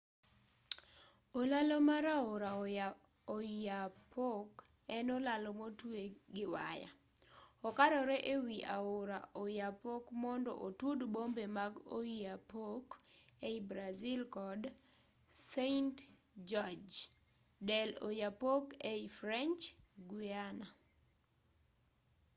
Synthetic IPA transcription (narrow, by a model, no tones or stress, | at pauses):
olalɔmaɾaʊɾa | oapʰokɛnɔlalɔmotweɡɪwaja̰ | ɔkaɾɔɾɛʔewiʔaʊɾa̰ojapokmɔndɔ̰ʔotwodbombemaɡo̰iapokeibɾazɪlkɔd | sentd͡ʒɔd͡ʒ | dɛlo̰japokeifɾɛnt͡ʃɡwiana